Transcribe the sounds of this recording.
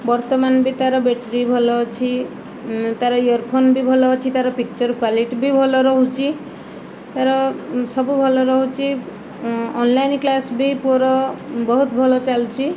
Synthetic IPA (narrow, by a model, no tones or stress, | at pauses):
bɔɾt̪ɔmanbit̪aɾɔbeʈɾibʱɔlɔːt͡ʃʰi | t̪aɾɔjɔɾpʰonbibʱɔlɔːt͡ʃʰit̪aɾɔpik̚t͡ʃɔɾkwaliʈbʱibʱɔlɔɾɔɦut͡ʃʰi | t̪aɾɔsɔbubʱɔlɔɾɔɦut͡ʃʰiː | nlajnklasbipuɾɔbɔɦut̪bʱɔlɔt͡ʃalt͡ʃʰi